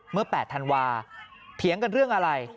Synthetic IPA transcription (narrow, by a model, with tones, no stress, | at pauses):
mɯ˥˩ɐpɛː˨˩t̪ʰa˧nwaː˧t̪ʰi˩˦əŋka˧nɾɯ˥˩əŋʔa˧ɾa˧j